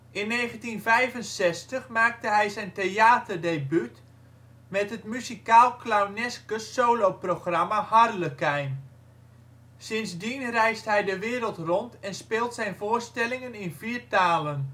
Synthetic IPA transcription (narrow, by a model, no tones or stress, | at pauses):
ʔɪnːeːχəntinvɛjvənsɛstəχmaːk̚təɦɛjzɛjnteaːtərdebyt | mɛtɦətmyzikaːlˠklawnɛskəssowlowproχramahardələkɛjn | sɪnzdinrɛjstɦɛjdəʋɪːɾəlˠtrɔntɛnspɪːlˠtsɛjnvoːrstɛlɪŋənɪnviːrtaːlən